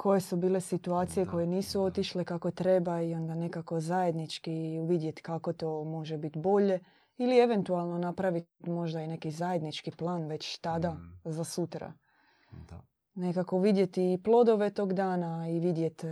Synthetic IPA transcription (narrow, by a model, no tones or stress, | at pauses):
kʰo̞je̞subiːle̞sit̪uaːt̪sije̞ko̞je̞niːsuo̞t̪iʃlekako̞t̪ɾe̞baio̞nd̪ane̞kako̞zajed̪nit͡ʃkiuʋid̪je̞t̪kako̞t̪o̞ːmo̞ʒebit̪bo̞ʎe̞ | ilie̞ʋe̞nt̪ualˠno̞napɾaʋit̪mo̞ʒd̪aine̞kizaje̞d̪nit͡ʃkiplˠaːnʋe̞t͡ɕt̪ad̪azasut̪ɾa̰ | ne̞kakoʋid̪je̞t̪iːplˠo̞d̪o̞ʋe̞t̪o̞ːɡd̪aːnaiʋid̪je̞t̪